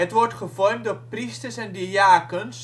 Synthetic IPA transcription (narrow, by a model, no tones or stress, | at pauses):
ətʋɔrtχəvɔrmtdopristərsɛndiaːkəns